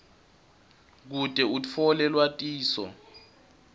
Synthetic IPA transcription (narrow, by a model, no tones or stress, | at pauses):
k̬utʼɛut͡f̪ʰɔlɛlwatʼiːsɔ̰